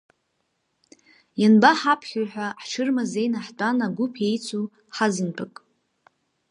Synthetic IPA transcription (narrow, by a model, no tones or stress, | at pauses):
janbaħapʰχʲuħᶣʷaħʈ͡ʂʰɨrmazejnaħdʷʼanaɡʷʊpʰejt͡sʷʰu | ħazɨnpʰakʼ